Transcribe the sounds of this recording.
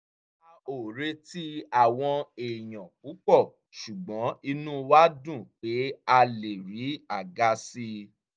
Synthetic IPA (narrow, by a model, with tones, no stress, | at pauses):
a˧o˨ɾe˧ti˦a˦˨w̃ɔ̃˧e˨j̃ɔ̃˨k͡pu˨˦k͡pɔ˦˨ | ʃu˨ɡ͡bɔ̃˨˦i˧nũ˦wa˦dũ˦˨k͡pe˨˦a˧le˨ɾi˨˦a˨ɡa˨˧si˧